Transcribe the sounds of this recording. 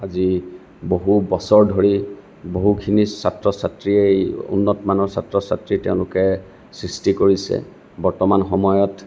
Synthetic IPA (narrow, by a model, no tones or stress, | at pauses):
azi | boɦubɔsɔɹdʱoɹi | boɦukʰinisatɹɔsatɹiejṵnːɔtmanɔɹsatɹɔsatɹitɛʊ̃lʊkɛ | sɹistikoɹisɛ̰ | bɔɹtɔmanxɔmɔjɔt